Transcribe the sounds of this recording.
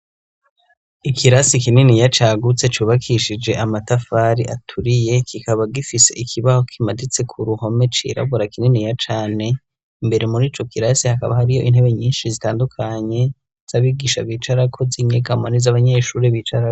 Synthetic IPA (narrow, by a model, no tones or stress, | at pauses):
ikʰiɾasikininijat͡ʃaːɡut͡se̞t͡ʃuːβakʰiʃid͡ʒe̞ʔamatafaːɾiʔatʰuɾije̞kʰikaβaɡifise̞̰ʔikʰiβaho̞kʰimadit͡se̞kʰuɾuho̞me̞t͡ʃḭɾa̰βuɾakininijat͡ʃaːne̞ | imbe̞ɾemuɾiːt͡ʃo̞kiɾasihaka̰βahaɾijo̞ʔin̥he̞βe̞ɲiːnʃizitaːndukʰaɲe̞ | z̥aβiɡiːʃa̰βiːt͡ʃaɾakʰo̞ziɲeɡamanizaβaɲe̞ʃuːɾeβiːt͡ʃaɾako